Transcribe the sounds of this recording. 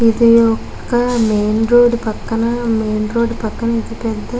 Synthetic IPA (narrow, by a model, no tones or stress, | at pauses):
id̪ijɔkːɐmeːnɾoːɖpɐkːɐnɐmeːnɾoːɖpɐkːɐnɐid̪ipɛd̪ːɐ